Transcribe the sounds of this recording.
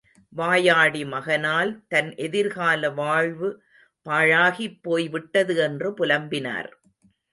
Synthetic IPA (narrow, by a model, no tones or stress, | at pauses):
ʋaːjaːɽimɐɣɐnaːlt̪ɐnʔɛðɪɾɣaːlɐʋaːɻʋɯ | paːɻaːɣipːoːjʋɪʈːɐðɯɛndrɯpʊlɐmbɪna̰ːɾ